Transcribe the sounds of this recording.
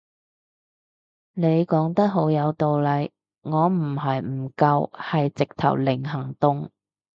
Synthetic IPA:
ne˨˧jkɔː˨˥ŋt̪ɐ˥t̚ɦo˨˥wjɐ˨˧wt̪o˨wlɐ˨˧j | ŋɔː˨˧m̩˨˩ɦɐ˨jm̩˨˩kɐ˧whɐ˨jt͡sɪ˨k̚t̪ʰɐ̰˨˩wlɪ˨˩ŋɦɐ˨˩ŋt̪ʊ˨ŋ

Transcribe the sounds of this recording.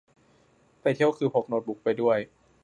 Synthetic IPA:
pa˧jt̪ʰi˥˩əwkʰɯː˧pʰo˨˧˩k̚no˧t̪̚bu˨˩k̚pa˧jdu˥˩əj

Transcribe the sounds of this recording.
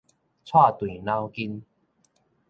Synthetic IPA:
t͡sʰwa˥˨t̪wĩ˨˩nã˦wki˦n

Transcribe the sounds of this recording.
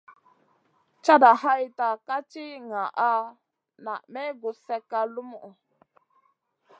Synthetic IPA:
t͡ʃa˦da˨ha˦jta˨ka˦t͡ʃi˦ŋa˨ʔa˦ | na̰˨me˦ɡu˨se˦ka˦lu˦mu˦ʔu˨

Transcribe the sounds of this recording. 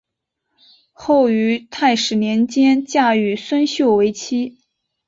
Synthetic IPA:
xo˥˩ʊy˧˥t̪ʰa˥˩ɪʂɻ̩˨˩njɛ˧˥nt͡ɕjɛ˥nt͡ɕja˥˩y˨˩swə˥nɕjo˥˩ʊwe˧˥ɪt͡ɕʰi˥

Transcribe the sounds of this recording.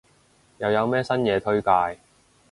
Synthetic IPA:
jɐ˨˧wjɐ˨˧wmɛː˥sɐ˥njɛː˨˧t̪ʰɵ˥ɥkaː˧j

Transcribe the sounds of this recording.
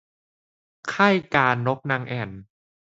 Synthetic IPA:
kʰa˥˩jkaː˧nːo˦˥k̚na˧ŋʔɛː˧˩n

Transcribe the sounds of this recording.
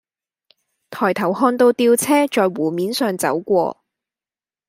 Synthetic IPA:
t̪ʰɔː˨˩jt̪ʰɐ˨˩whɔː˧nt̪o˧wt̪iː˧wt͡sʰɛː˥t͡ʃɔː˨jwuː˨˩miː˨˥nsœː˨˧ŋt͡sɐ̰˨˥wkʷɔ̰ː˧

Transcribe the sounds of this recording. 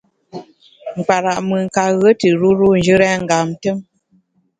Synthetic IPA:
ŋ̩˨k͡pa˨ɾa˨ʔmɨ˨ŋ̩˨ka˨ɣə˦tɨ˨ɾu˦ɾu˦˨n˨d͡ʒɨ˦ɾɛ˦ŋ̩˨ɡa˨m˦tə˦m

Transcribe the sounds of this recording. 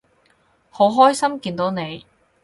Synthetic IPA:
ho˨˥wɦɔː˥jsɐ˥mkiː˧nt̪o˨˥wne˨˧j

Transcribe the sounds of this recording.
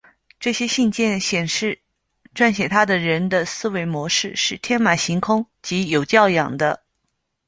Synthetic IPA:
ʈ͡ʂɤ˥˩ɕjɛ˥ɕi˥˧nt͡ɕjɛ˥˩nɕjɛ˨˩nʂɻ̩˥˩ | ʈ͡ʂwa˥˩nɕjɛ˨˩t̪ʰa˥d̪ə˨ɻə˧˥nd̪ə˧sɹ̩˥we˧˥ɪmwɔ˧˥ʂɻ̩˥˧ʂɻ̩˥˩t̪ʰjɛ˥nma˨˩ɕi˧˥ŋkʰʊ˥ŋ | t͡ɕi˧˥jo˨˩ʊt͡ɕjɑ˥˩ʊjɑ̰˨˩ŋd̪ə˦

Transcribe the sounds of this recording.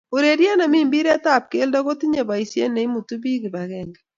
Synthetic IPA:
o˨ɾe˨ɾjɛ˦na˨miː˦mbi˦ɾɛ˦ta˦p̚ke˦lda˦ɣo˦ti˦ɲe˨βa˨i˨sjḛ˦nɛ˨i˦mu˨tu˦bi˦ɣi˨βa˨ɣɛ˨ŋɡɛ˨

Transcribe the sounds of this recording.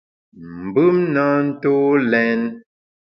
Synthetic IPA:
m̩˨bɯ˦mna˦n̩˦to˦lɛ˦n

